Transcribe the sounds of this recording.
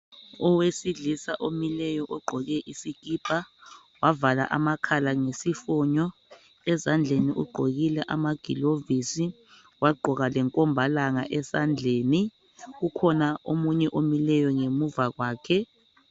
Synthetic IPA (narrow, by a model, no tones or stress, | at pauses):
ɔwesiɮisaʔomilɛjɔʔɔɡ͡ǃʱɔɣɛʔisik̬ʼiːpʰa | wavala̰ʔamakʰalaŋesifɔːɲɔ | ɛzand͡ɮʱeniʔuɡ͡ǃʱoɣilɛʔamaɡ̥ʱḭlovisi | waɡ͡ǃʱɔɣalɛŋkʼɔmbʱalaŋaʔɛsand͡ɮʱeːni | ɣukʰɔnaomuɲɛʔomilɛjɔŋemuvaɣwaːkʰɛ